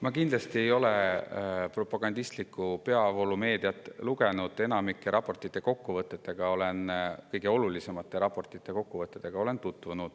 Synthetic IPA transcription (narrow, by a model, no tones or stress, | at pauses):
mɑkind̪lɑst̪ie̞jo̞le | pro̞pːɑɡ̥ɑnd̪̥ist̪likːˑupe̞ɑolume̞ːd̪̥iɑt̪ːˑluɡe̞nud̪̥e̞nɑmikːˑeɾʔɑpːˑo̞rt̪ːˑit̪ːˑe̞ko̞kːuvɤt̪ːˑe̞t̪ːˑeɡ̥ɑo̞le̞nkɤjɡe̞o̞lulise̞mɑt̪ːˑe̞ɾɑpˑo̞rt̪ˑit̪ːˑe̞ko̞kːuvɤt̪ːˑet̪ːˑeɡ̥ɑo̞le̞nt̪ut̪ːˑvunud̪̥